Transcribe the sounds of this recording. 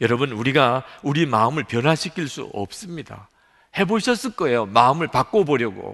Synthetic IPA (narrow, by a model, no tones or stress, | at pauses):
jʌɾʌbɯnuɾiɡauɾiemaɯmɯɭpjʌnɦaɕʰikʰiɭs͈ṵʌ̰p̚s͈ɯmɲida̰ | he̞boɕʰʌs͈ɯɭk͈ʌe̞jomaɯmɯɭpak͈obʌɾjʌɡo̰